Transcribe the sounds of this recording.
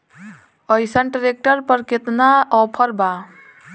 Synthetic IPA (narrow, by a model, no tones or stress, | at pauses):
əɪsəɳʈɾek̚ʈəɾpəɾket̪naɔpʰəɾba